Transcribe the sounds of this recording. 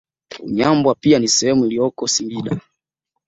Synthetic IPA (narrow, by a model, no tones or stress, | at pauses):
ṵɲambwapianisɛhɛmuilijɔkɔsiŋɡiɗa